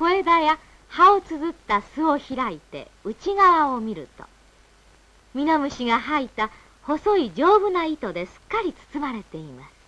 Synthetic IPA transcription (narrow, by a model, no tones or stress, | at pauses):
ko̞e̞d̪aja | haot͡sɨzɨt̪ːasɨo̞çiɾait̪e̞̰ | ɯ̟t͡ɕiɡaβao̞mʲiɾɯ̟t̪o̞̰ | mʲinomɯ̟ɕiɡaɦait̪a | ho̞so̞id͡ʑo̞ːbɯ̟nait̪o̞d̪e̞sɨ̥kːaɾʲit͡sɨ̥t͡sɨmaɾe̞t̪e̞imasɨ̥